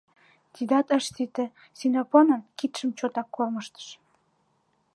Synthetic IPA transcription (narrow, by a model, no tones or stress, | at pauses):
t̪id̪ɑt̪əʃt̪it̪ĕ | sinoponə̆nkit̪ʃə̆mt͡ɕot̪ɑkːolməʃt̪ə̥ʃ